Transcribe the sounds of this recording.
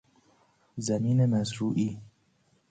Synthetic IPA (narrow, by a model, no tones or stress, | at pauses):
zæmiːnemæzɾuːʔiː